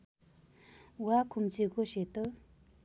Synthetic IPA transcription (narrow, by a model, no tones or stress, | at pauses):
wakʰomt͡ɕiɦɡoɕelt̪ə